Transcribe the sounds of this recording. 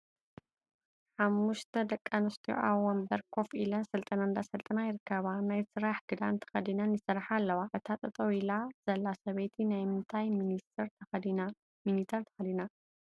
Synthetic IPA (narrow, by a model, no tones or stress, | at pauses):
ħamːuʃt̪ʰɐd̪ɐkʼːanɐst̪ʰo̰ʔa̰βːɔmbɐɾkʰo̞filɐnsɐlt̪ʼɐnand̪asɐlt̪ʼɐnajɪɾɨkʰːɐβanajsɨɾaħɡɨd̪a̰nt̪ʰɐ̥xɐd̪inanjɨsɨɾħalːɐwaʔɨt̪ʰat̪ʼɐt̪ʼɐwilaz̥ɐlasɐβet̪ʰinajmɨnt̪ʰajɾa | minit̪ʰɐɾt̪ʰɐ̥xɐd̪ina